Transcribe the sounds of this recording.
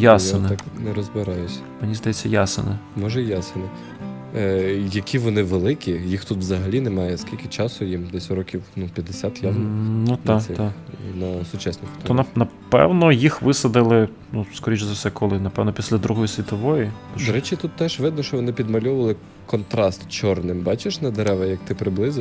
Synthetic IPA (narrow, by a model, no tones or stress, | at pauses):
jasenɛknɛɾɔzbɪɾɑjʊsʲ | menʲizd̪ɐjɛt͡sʲːɐjasɪ̰nɪmɔʒɛjasɪnɛ | jɐkʲiʋɔnɪʋelˠɪkʲijixt̪ut̪ʋzɐɦɐlʲinɛmɑjɛskʲilʲkɪt͡ʃɑsʊjimd̪ɛsʲɾɔkʲiwnupʲjɐd̪ɪsʲat̪jaʋnnut̪ɑɐɛt̪ɑnɔsʊt͡ʃasnɪxt̪ɔnɐnɐpɛ̰wnɔjixʋɪsɐd̪ɪlˠɪ | nuskɔɾʲit͡ʃʲzɐwsɛkɔlˠɪnɐpɛwnɔpʲi̥sʲlʲɐd̪ɾuɦɔjisʲʋʲit̪ɔʋɔjid̪ɔɾɛt͡ʃit̪ut̪ːɛʒʋɪd̪nɔʃt͡ʃɔʋɔnɪpʲid̪mɐlʲɔʋɐlˠɪ | kɔnt̪ɾɑst̪t͡ʃɔrnɪmbɑt͡ʃɪʃnɐd̪eɾɛʋɐjɐk̚t̪ɪpɾɪblˠɪzɪ